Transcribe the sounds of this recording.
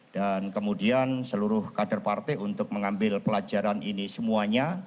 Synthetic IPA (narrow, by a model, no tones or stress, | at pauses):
d̥ankəmudiansəluɾʊhkadarpart̪eunt̪ʊk̚məŋambɪlpəlad͡ʒaɾaninisəmuaɲa